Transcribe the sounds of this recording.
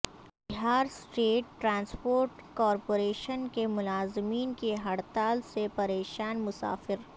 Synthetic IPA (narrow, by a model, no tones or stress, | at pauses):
bɪɦaːɾsʈeːʈːɾãːnspoːɾʈkɔːɾpoːɾeːʃənkemʊlaːzɪmiːnkeɦɐɽt̪aːlsepɐɾeːʃaːnmʊsa̰ːfɪɾ